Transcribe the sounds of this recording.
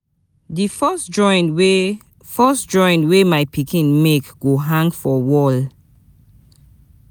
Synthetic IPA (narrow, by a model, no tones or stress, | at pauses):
difɔsd͡ʒɔ̃jntwe | fɜsd͡ʒɔ̃ɪ̃ntwemajpikĩnmekɡ̥oɦãŋɡfɔwɔl